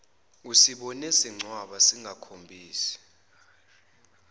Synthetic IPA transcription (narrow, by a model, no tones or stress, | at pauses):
usiɓɔnɛsiŋ͡ǀʱwaɓasiŋɡʱakʰombʱiːsɛ̥